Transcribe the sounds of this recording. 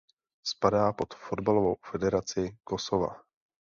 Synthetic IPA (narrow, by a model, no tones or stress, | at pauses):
spadaːpo̞t̪fodbalo̞vowfɛdɛɾat͡sɪko̞sova̰